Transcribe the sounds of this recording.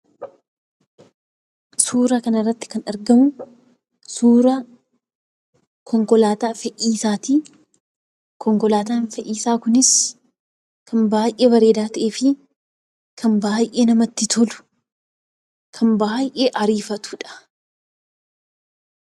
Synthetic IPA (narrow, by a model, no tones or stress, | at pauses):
suːɾɐkɐnɐrːɐt̪ːɪ̥kɐnɐɾɡɐmʊ | suːɾɐ | kʰɔŋkɔlaːt̪aːfɛʔiːsaːt̪iː | kʰɔŋkɔlaːt̪aːnfɛʔiːsaːkʊnɪs | kʰɐnbaːjʔeːbɐɾe̞ːd̪aːt̪ɐʔeːfɪ | kʰɐnbaːjʔeːnɐmɐt̪ːɪt̪ʰɔlʊ̥ | kʰɐmbaːjʔeːʔɐɾiːfɐt̪u̥ːᶑɐ̥